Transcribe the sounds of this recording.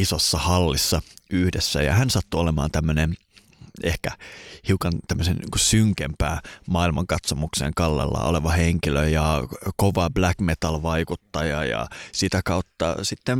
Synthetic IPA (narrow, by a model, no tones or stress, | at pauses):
isosːɑhɑlːisːɑyhdesːæ̰jɑ̰hænsɑt̪ːuolemɑ̰ːnt̪æmːønen | ehkæhiukɑnt̪æmːøsennḭːkusyŋkempæ̰ːmɑːilmɑŋkɑt̪somuksḛŋkɑlːḛlːɑ̰o̰leʋɑheŋkiløjɑkoʋɑblækmet̪ɑlʋɑikut̪ːɑjɑ̰jɑ̰sit̪ækɑut̪ːɑ̰sit̪ːem